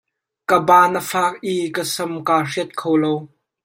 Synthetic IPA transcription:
kəbaːnəfaːk̚ʔikəsɐmkaːriət̪̚kʰowlow

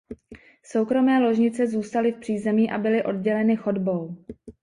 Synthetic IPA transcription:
so̞wkɾo̞mɛːlo̞ʒɲɪt͡sɛzuːst̪alɪfpr̝̥iːzɛmiːʔabɪlɪʔo̞d̚ɟɛlɛnɪxo̞dbo̞w

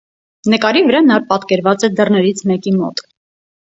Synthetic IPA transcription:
nəkɑɾivəɾɑnɑɾpɑt̪kɛɾvɑt͡sɛd̪ərnɛɾit͡sʰmɛkimɔ̰t̪

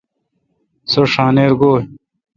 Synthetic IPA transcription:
soʂaːneːɾɡoː

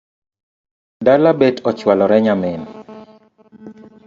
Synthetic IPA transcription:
dalabɛtʰɔt͡ʃwalɔɾɛɲamɪn

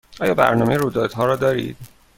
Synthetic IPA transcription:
ʔɒːjɒːbæ̰ɾnɒːmejeɾuːd̪ɒːd̪ɦɒːɾɒːd̪ɒːɾḭːd̪̥

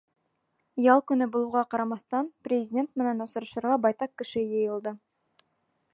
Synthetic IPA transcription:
jɑlˠkɵnɘbolˠuʁɑqɑɾɑmɑθt̪ɑnprʲezʲidʲe̞nt̪menænŏsə̆ɾə̆ʃɤ̆ɾʁɑbɑjt̪ɑq̚kʲːɪ̆ʃɪjɤ̆jə̆lˠd̪ə

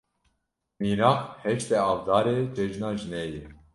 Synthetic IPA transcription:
miːnɑːxhɛʃt̪ɛɑːvd̪ɑːɾeːt̪ʰɛʒɨnɑːʒɨnɛjɛ

